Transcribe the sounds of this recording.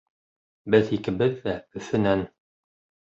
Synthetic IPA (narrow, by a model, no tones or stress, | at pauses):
bɘðikɘ̆bɘðːæɵ̆θɘ̆næn